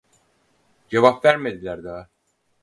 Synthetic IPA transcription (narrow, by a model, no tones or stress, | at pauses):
d͡ʒevapvæɾmed̪ilʲæɾd̪a